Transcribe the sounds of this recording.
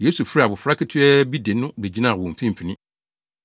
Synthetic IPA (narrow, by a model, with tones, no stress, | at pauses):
jeː˦su˨fi˦ɾi˦˨a˨bʊ˨fɾa˦kʰɪ˦tʰɪ˦ɛ˦bi˦de˨nʊ̃˦be˨d͡ʑi˦nã˦˨wɔ̃˨m̩˨fĩ˦m̩˨pʰi˨nɪ̃˦